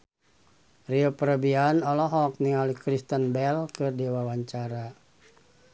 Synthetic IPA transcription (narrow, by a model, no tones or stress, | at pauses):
riopəɾəbianɔlɔɦɔk̚niŋalikɾist̪ənbɛlkɨrdiwawaɲt͡ʃaɾa